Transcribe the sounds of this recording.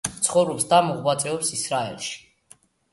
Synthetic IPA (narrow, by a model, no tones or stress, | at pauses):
t̪sʰχɔvɾɔpsd̪amɔʁwat̪sʼɛɔpsisɾaɛ̰lˠʃi̥